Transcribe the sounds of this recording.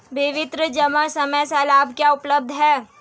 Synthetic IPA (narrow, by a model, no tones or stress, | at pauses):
bɪʋɪt̪ɾəd͡ʒɐməɽsɐməjsalaːbkjaʊpləb̚d̪ʱɦɛː